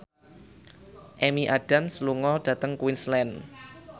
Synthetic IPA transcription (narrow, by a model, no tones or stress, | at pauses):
ʔemiʔaɖ̥amsluŋɔɖ̥ä̤t̪əŋkwinslɛn